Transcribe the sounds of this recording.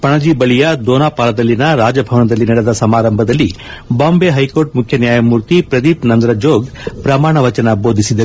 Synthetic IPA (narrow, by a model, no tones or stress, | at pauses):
pɐɳɐd͡ʒibɐɭijɐd̪oːnaːpaːlɐd̪ɐlːinɐɾaːd͡ʒɐbʱɐʋɐnɐd̪ɐlːinɐɽɛd̪ɐsɐmaːɾɐmbʱɐd̪ɐlːi | baːmbeːɦɐjkoːɾʈ̚mukʰjɐnjaːjɐmuːɾt̪ipɾɐd̪ipnɐnd̪ɐɾɐd͡ʒoːɡ | pɾɐmaːɳ̃ɐʋɐt͡ʃɐnɐboːd̪ʱisid̪ɐ